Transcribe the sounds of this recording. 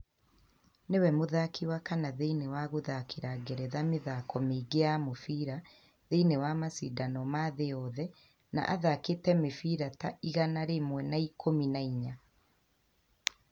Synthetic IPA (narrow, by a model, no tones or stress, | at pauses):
newɛmoðakʰiwakanaðeinewaɣoðakʰeɾaɡɛɾɛðameðakɔmeːɡeamofiɾa | ðeinewamasidanɔmaðeɔðɛ | na̰ʔaðaketɛmefiɾataiɣanaɾemwɛnaikʰominaiɲa